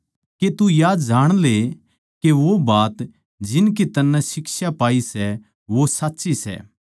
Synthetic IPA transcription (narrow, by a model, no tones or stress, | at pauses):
ket̪ujaːd͡ʒaːɽ̃le | keʋobaːt̪ | d͡ʒɪnk̬it̪ɐnːɛ̃sɪksapaːisɛ | ʋosɐtːʃisɛ̰ː